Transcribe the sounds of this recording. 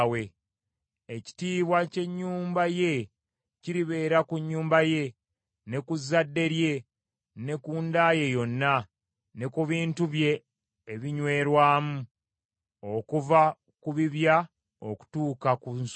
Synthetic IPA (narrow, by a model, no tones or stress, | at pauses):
we̞ | eci̥tiːβwace̞ɲːuːmbaje̞ | ciɾiβe̞ːɾakuɲːuːmbaje̞ | ne̞kuzːadːe̞ɾje̞ | ne̞kuːndaje̞jo̞nːa | ne̞kuβiːntuβje̞ː | βiɲwe̞ːɾwaːmu | o̞kuva | kuβiβja | o̰ku̥tuːkakuns